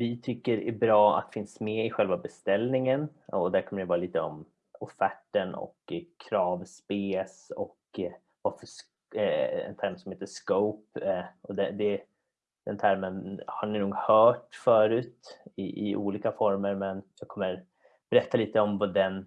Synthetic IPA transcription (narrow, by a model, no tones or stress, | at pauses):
vɪt̪ʰʏkːəɾæbɾɑːa̰t̪ːfɪnsmɛɪɧɛlvabɛst̪ɛlnɪŋənɔd̪æɾkʰɔmːənɪvɑːɾaliːt̪əɔ̰m | ɔfæʈːənɔ̰kkʰːɾɑːvspeːsɔ̰k | vafœs | ɛ̰nt̪ʰæɾmsɔmheːt̪əʂkoʊpɔd̪ɛd̪ɛ | d̪̥ɛnt̪ʰæɾmənhaɳɪnuːɡhœːʈfœːɾʉ̟ːt̪ɪʔɪ̰ʔṵːliːkafɔɾməɾmɛnjɑɡkʰɔmːəɾ | b̥ɛɾɛt̪ʰːaliːt̪əɔmvad̪ɛn